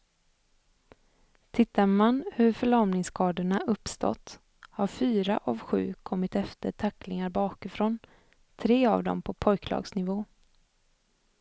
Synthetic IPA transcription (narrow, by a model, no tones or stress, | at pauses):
t̪ʰɪt̪ʰːaɾmanhɵɾfœɭɔɾmnɪŋskʰɑːd̪əɳaʔɵpːst̪ɔ̰t̪ː | haɾfyːɾaʔavɧʉ̟̰ːkʰɔmːɪt̪ɛft̪əʈʰakːlɪŋaɾbɑːkɪfɾoːn | t̪ʰɾeːa̰vd̪ɔ̰mpʰɔpʰɔjkʰlɑ̰ːɡsnɪvoː